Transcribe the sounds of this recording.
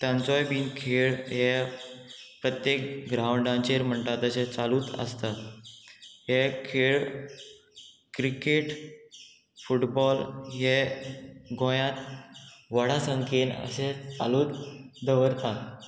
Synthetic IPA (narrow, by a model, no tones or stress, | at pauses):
t̪jãnt͡sɔjbiːnkʰeɭɦɛ | pɾət̪jek̚ɡɾawɳɖãnt͡ɕeɾm̤əɳʈ̪at̪əɕẽt͡saluːt̪ə̰st̪at̪ | ɦɛkʰeɭ | kɾikeʈ | fuʈbɔlɦɛ | ɡõjãt̪ʋəɽ̤asəŋkʰenə̰sẽt͡sa̰luːt̪d̪əʋəɾt̪at̪